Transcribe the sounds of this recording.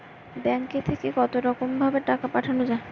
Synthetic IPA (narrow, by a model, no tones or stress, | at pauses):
bɛŋket̪ʰekekɔt̪oɾɔkombʱabeʈakapaʈʰanod͡ʑae